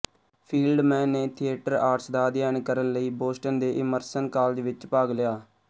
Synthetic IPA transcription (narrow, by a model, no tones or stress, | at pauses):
pʰiːlɖmɛ̃ːneːt̪ʰieːʈəɾaːʈsd̪aːd̪jaːnkəɾənləiːboːsʈənd̪eːʔɪməɾsənkaːld͡ʒʋɪt͡ʃpaːɡlɪjaː